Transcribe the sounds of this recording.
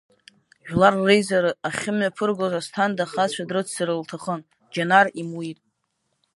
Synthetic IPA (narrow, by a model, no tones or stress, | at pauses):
ʒᶣlarːejzaɾɨaχʲɪmɥapʰɨrɡozastʰandaχat͡ʃʷʰadrɨt͡sʰsɨɾɨltʰaχən | d͡ʒanarimwitʼ